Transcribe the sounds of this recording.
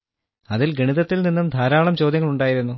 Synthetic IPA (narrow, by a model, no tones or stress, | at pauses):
ɐðilɡʱeɳiðɐt̪ːilninːumd̪ʱaːɾaːɭɐmt͡ɕo̞ːd̪jɐŋːɐɭuɳɖaːjiɾunːu